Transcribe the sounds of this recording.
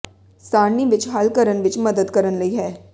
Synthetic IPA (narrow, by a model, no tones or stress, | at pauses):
saːɳːiʋɪt͡ʃɦaːlkəɾənʋɪt͡ʃmɐd̪əd̪kɐɾənlɐiɦɛː